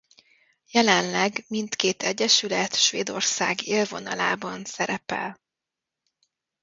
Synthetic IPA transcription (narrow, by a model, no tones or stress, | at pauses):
jɛlɛnlɛɡmint̪keːt̪ʰɛɟːɛʃylɛt̪ʃʋeːd̪o̞rsa̰ːɡeːlvo̞nɒla̰ːbɒnsɛɾɛpɛ̰l